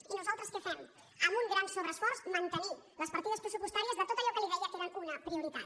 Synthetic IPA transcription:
inuzalˠt̪ɾəskəfɛm | əmbuŋɡɾansoβɾəsfɔɾzmənt̪əniləspəɾt̪iðəspɾəsupust̪aɾiəzðət̪ot̪əʎɔkəliðɛʎəkeɾənunəpɾiuɾit̪a

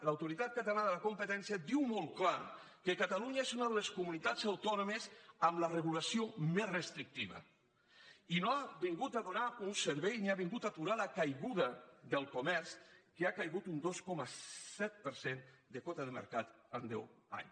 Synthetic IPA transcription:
lawt̪uɾit̪at̪̚kat̪alanðəlakumpət̪ɛnsjad̪iwmɔlˠklaɾ | kekat̪aluɲaezunəðəleskumunit̪ad͡zawt̪ɔnomezəmlərəɣulasiomezrəst̪ɾik̚t̪iβə̰ | inoaβiŋɡut̪aðunaunsəɾβɛjniaβiŋɡut̪at̪uɾalakajɣuðəðəlˠkomɛɾskeakajɣut̪und̪oskɔmasɛt̪̚pəɾsend̪əkɔt̪əðəmə̰ɾkat̪and̪ɛ̰wa̰ɲ

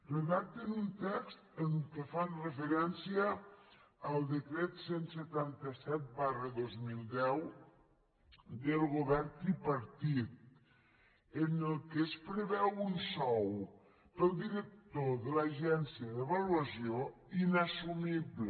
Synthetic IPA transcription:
reðak̚t̪enunt̪ɛkst̪əŋkəfanrefeɾɛnsjəː | lˠd̪ekɾɛt̪senset̪ant̪asɛt̪̚barəðozmilˠd̪ɛw | d̪əlˠɣoβɛɾt̪ipaɾt̪it̪̚ | enəlˠkespɾeβɛwunsɔw | pəlˠd̪iɾək̚t̪oðəlaʒɛnsiaðeβaluasjoinasumiβle

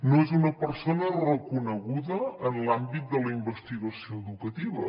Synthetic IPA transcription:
noezunəpəɾsonərəkunəɣuðəːnlambit̪̚d̪ələimbəst̪iɣəsioəðukət̪iβə̰

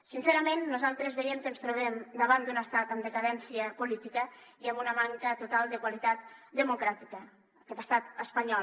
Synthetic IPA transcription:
sinseɾəmẽnːuzalˠt̪ɾezβeɛmkənst̪ɾuβ̞ɛmd̪əβ̞and̪unəst̪at̪əmd̪əkaðɛnsiəpulit̪ikəiəmunəmaŋkət̪ut̪alˠd̪əkwalit̪at̪d̪əmukɾat̪ikəː | kɛt̪ə̥st̪at̪əspaɲɔ

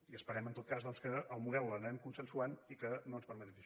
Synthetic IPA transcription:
iəspəɾɛmənt̪ot̪̚kazðɔnskəʔəlˠmuðɛwlənəɾɛmkunsənsuanikənoənspəɾmət̪ɛi

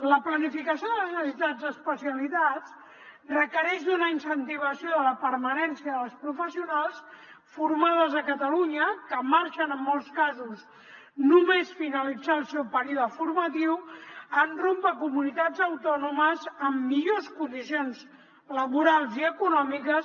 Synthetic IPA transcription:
ləplənifikəsioðələznəsit̪ad͡zəspəsiəlit̪at͡s | rəkəɾɛʃd̪unəinsənt̪iβ̞əsioðələpəɾmənɛnsiəðəlspɾufəsiunalˠs | fuɾmaðəzəkət̪əluɲəkəmaɾʃənəmːɔlˠskazuz | numesfinəlid͡zalˠsɛwpəɾiuðəfuɾmət̪iwənrompəkumunit̪ad͡zəwt̪ɔnuməzəmːiʎoskund̪isionz | ləβuɾalˠziəkunɔmikəs

